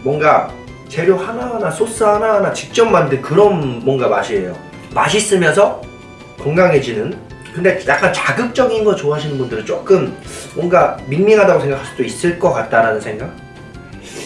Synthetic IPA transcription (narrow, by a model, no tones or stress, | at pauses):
mwʌnɡa | t͡ɕe̞ɾjohanaɦanasʰos͈ɯɦanaɦanat͡ɕi̥k̚t͡ɕ͈ʌmːandɯnkɯɾʌnːwʌnɡamaɕʰiejo | maɕ̬ʰis͈ɯmjʌnsʰʌ | koŋɡaŋɦe̞d͡ʑinɯn | kɯnde̞jak͈ant͡ɕaɡɯp̚t͡ɕ͈ʌɡinɡʌt͡ɕoaɦaɕʰinɯnbundɯɾɯt͡ɕ͈ok͈ɯmːwʌŋɡaminmiŋɦadaɡosʰe̞ŋɡakʰaɭs͈ud̥ois͈ɯɭk͈ʌk͈at̚t͈aɾanɯnsʰe̞ŋɡak̚